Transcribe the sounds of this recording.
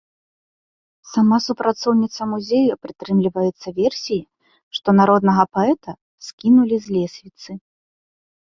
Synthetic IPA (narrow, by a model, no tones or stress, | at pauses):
samasupɾʔat̪sɔwnʲit̪sɐmuzʲejupɾɨt̪ɾɨmlʲivɐjɛt̪sːɐvʲɛrsʲiji | ʂt̪ɔnaɾɔd̪nɐɣɐpaɛt̪ɐ | skʲinulʲizʲlʲɛsʲvʲit̪sɨ